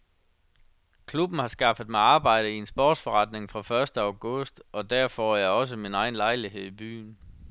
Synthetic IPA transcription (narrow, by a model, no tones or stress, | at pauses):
kʰlub̥n̩hɑ̈sɡ̥ɑ̈fəð̩ˠmɑ̈ɪɑ̈ːb̥ɑ̈ɪ̰ɾ̥əiensb̥ɔːd̥sfɒʁɑ̈d̥ne̝ŋfʁɑ̈fɶɐsd̥əɑ̈ʊɡ̥ɔ̽sd̥ɒ̽d̥æɐfɒjɑ̈ɪɒ̽s̬əminɑ̈ɪn̩lɑ̈ɪliɦe̝ð̞̰ˠib̥y̰ːn